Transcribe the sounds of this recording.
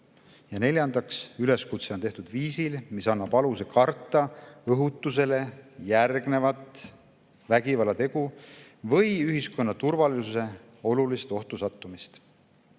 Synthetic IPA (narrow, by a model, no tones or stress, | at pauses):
jɑne̞lʲjɑnd̪ɑksyle̞skut̪set̪e̞ht̪ud̪̥viːsilmisɑnːɑb̥ɑlusekɑrt̪ˑːɑɤɦut̪ːˑuse̞le̞jærɡ̥ne̞vɑt̪ˑ | væɡ̥ivɑlɑt̪e̞ɡ̥u | vɤjyɦisko̞nːɑt̪urvɑlisuse̞ | o̞lulist̪o̞ht̪usɑt̪ːˑumist̪